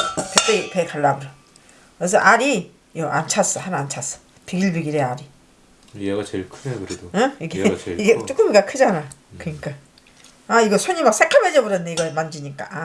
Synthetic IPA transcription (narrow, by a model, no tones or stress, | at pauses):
pet͈epekaɭːabɯɾʌ | ɾes̬ʰʌʔaɾi | jʌʔa̰nt͡ɕʰas͈ʌhanant͡ɕʰas͈ʌ̥ | piɡiɭbiɡiɾeaɾi | jeɡat͡ɕeɭkʰɯnekɯɾed̥̪oɯiɡeiɡet͡ɕ͈ʰuk͈ɯmiɡakʰɯd͡ʑanakɯɲik͈a | aiɡʌsʰoɲimak̚s͈ʰekʰamed͡ʑʌbɯɾʌnnːeiɡʌmand͡ʑiɲik͈a̰